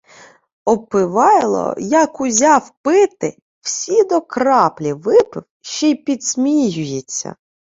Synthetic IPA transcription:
ɔpɪʋɑjlˠɔ̰jɐkʊzʲɑwpɪt̪ɪ | wsʲid̪ɔkɾɑplʲiʋɪpɪwʃt͡ʃɛjpʲid̪smʲijʊjet͡sʲːɐ̰

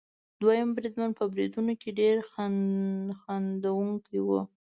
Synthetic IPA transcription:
d̪wajambɾid̪manpəbɾid̪unokeɖeɾxa | xand̪awuŋkiwu

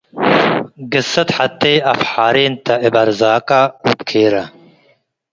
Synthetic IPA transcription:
ɡɨsːɐt̪ħat̪ːeɐfħaːɾeːnt̪ɐibɐɾzaːkaupkʰeːɾɐ

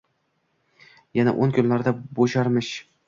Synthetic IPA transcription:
jana̰ʔonkʲʰʊnlaɾd̪aboʃɑɾmɪʃ

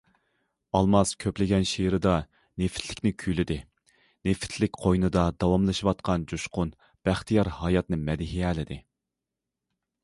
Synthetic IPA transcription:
ɑlˠmɑskʲʰøplɪɡʲɛnʃeɾɨd̪ɑ | nefɪ̥t̪ʰlɪkʲnɪkʲʰylɪd̪ɪ | nefɪ̥t̪ʰlɪkʲqʰojnɨd̪ɑd̪ɑwɑmlˠɨʃiwɑt̪̚qʰɑnd͡ʒuʃqʊn | b̥æχt̪ʰijɑɾhɑjɑt̪nɨmɛd̪ɪɦiɛːlɪd̪ɪ

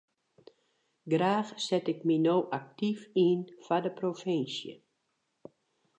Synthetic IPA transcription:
ɡraːxsɛtɪkminoːʔak̚tifinfadəprofɪnsjə̰

